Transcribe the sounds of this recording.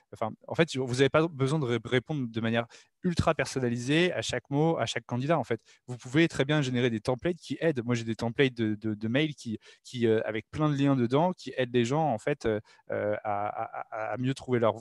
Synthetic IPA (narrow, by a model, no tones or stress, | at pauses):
ɑ̃fɛ̃ɑ̰̃fɛt̪vuzavepabəzwɛ̃d̪əʁepɔ̃d̪ʁd̪əmanjɛʁ | ylt̪χapɛʁsɔnalizea̰ʃakmoa̰ʃakːɑ̃d̪id̪aɑ̃fɛt̪ | vupuvet̪χɛbjɛ̃ʒeneʁed̪et̪ɑ̃plɛt̪̚kʲiʔɛd̪mwaʒed̪et̪ɑ̃plɛt̪̚d̪əd̪əd̪əmɛjlkʲikʲʰiøa̰vɛk̚plɛ̃d̪əljɛ̃d̪əd̪ɑ̃kʲʰiʔɛd̪leʒɑ̃ɑ̃fɛt̪ø | øaa̰ːmjøt̪χuvelœʁ